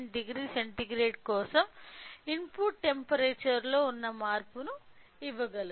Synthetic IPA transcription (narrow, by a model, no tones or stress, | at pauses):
ɳɖiɡɾiːseɳʈiɡɾeːʈkɔːsɐminpuːʈ̚ʈːe̞mpɐɾeːt͡ʃɐɾlo̞ːunːɐmaːɾpunu | iʋːɐɡɐlu